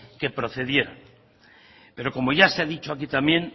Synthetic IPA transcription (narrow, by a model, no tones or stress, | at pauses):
ke̞pɾo̞θe̞ðje̞ɾa | pe̞ɾo̞ko̞mo̞ʝaseaðit͡ʃoakit̪amjẽ̞n